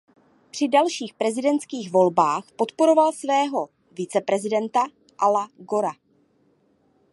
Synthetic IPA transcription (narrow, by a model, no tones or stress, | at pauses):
pr̝̥ɪdalʃiːxpɾɛzɪdɛntt͡skiːɣvo̞lbaːxpo̞t̪po̞ɾo̞valsvɛːɦo̞ | vɪt͡sɛpɾɛzɪdɛnt̪a | ʔalaɡo̞ɾa